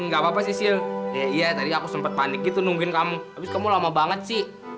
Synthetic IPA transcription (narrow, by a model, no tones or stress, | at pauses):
ŋɡabapasisɪlkajaijat̪adiakusəmpət̪̚panɪk̚ɡit̪unuŋɡɪnkamuabɪskamulamabaŋət̪̚sɪh